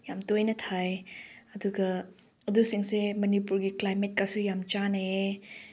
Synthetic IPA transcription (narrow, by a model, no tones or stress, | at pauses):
jamtojnɐtʰajɐduɡɐ | ɐduseŋsemɐnipuɾɡiklajmet̚kasujamt͡ʃanee